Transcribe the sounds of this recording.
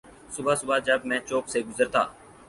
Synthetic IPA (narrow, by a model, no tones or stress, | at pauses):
sʊbaːsʊbaːd͡ʒəb̚mɛ̃ːt͡ʃoːkseːɡʊzəɾt̪a̰ː